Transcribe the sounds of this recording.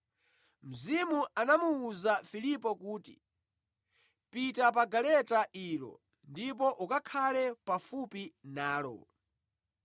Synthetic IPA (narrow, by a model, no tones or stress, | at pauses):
m̩zimuʔanamuuzafilipɔkuːtḭ | pitap̬aɡalɛtaʔiːlɔ̰ | ndip̬ɔʔukakʰalɛpafupinaːlɔ̰